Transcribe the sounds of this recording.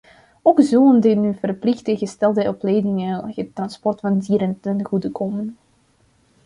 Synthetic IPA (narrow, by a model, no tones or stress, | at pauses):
okzøləndənyvərplɪxtəɣəstɛlˠdəʔɔpleːdɪŋəɣətːrɑnspɔrtfɑndiːɾəntənɣudəkʰoːmən